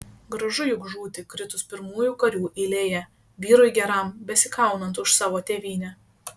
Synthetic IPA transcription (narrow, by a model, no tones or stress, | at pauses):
ɡɾɐʒʊjʊɡʒuːt̪ʲɪkɾʲɪt̪ʊspʲɪɾmuːjuːkɐɾʲuːʔɪlʲeːjɛ | ʋʲiːɾɔjɡʲɛɾɐˑmbʲɛsʲɪkɑˑʊnɐnt̪ʊʃsɑːʋoːt̪ʲeːʋʲiːnʲɛ